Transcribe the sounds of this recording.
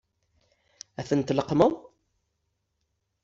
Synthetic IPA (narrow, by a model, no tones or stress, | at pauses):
æθənt̪ləqməðˤ